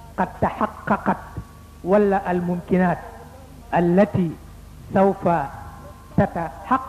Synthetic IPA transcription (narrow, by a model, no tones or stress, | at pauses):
qɑd̪̚t̪aħɑqːɑqɑt̪̚ | walːaːʔalmʊmkɪnaːt̪̚ | ʔalːat̪iː | sawfa | t̪at̪aħɑqː